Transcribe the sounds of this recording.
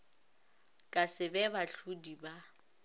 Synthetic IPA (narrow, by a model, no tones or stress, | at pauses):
kʼasɪbɛbaɬudiba